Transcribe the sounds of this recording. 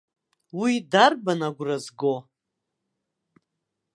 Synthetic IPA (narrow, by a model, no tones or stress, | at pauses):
widarbanaɡʷrazɡo